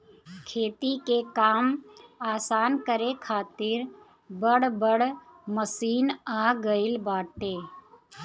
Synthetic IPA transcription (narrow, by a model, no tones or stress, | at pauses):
kʰeːt̪ikekaːmaːsaːnkəɾekʰaːt̪ɪɾ | bəɽbəɽməsiːnaːɡəɪlbaːʈeː